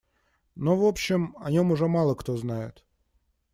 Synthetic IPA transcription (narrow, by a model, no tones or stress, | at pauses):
novopɕːɪmɐnʲomʊʐɛmɑlˠəkt̪oznajɪ̰t̪